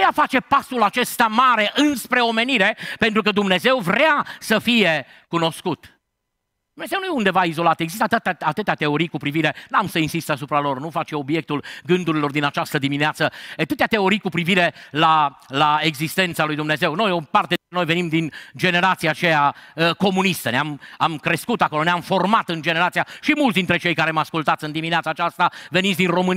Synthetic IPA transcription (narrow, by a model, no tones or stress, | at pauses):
afat͡ʃe̞pasulat͡ʃe̞st̪amaɾe̞ʔɨnspɾe̞o̞me̞niɾe̞pe̞nt̪ɾukəd̪umne̞ze̞wvɾeasəfije̞ | kuno̞skut̪ | d̪̥umne̞zewnujeund̪evaizo̞lat̪jeɡzis̬t̪at̪ɨt̪at̪ɨt̪eat̪e̞o̞ɾijkupɾiviɾe̞namsəinsist̪asupɾalo̞rnufat͡ʃe̞o̞bje̞k̚t̪ulɡɨnd̪uɾilo̞rd̪inat͡ʃast̪əd̪imineat̪səat̪ɨt̪eat̪e̞o̞ɾijkupɾiviɾe̞lalae̞ɡzist̪e̞nt̪salujd̪umne̞ze̞wno̞jopart̪eɾenojve̞nimd̪ind͡ʒe̞ne̞ɾat̪siat͡ʃejaəko̞munist̪əneamamkɾe̞skut̪akolo̞neamfo̞rmat̪ɨnd͡ʒe̞ne̞ɾat̪sijaʃimult̪sd̪int̪ɾe̞t͡ʃe̞jkaɾemaskult̪at̪sɨnd̪imineat̪saːt͡ʃast̪ave̞nitsʲd̪inro̞mɨn